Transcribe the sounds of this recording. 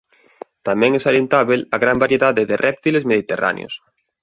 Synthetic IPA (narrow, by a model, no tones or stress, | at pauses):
t̪amɛ̃ŋɛsaɾjent̪aβelaɣɾambaɾjeðaðeðɪrʔɛp̚t̪ilezmeðit̪era̰nj̰o̰s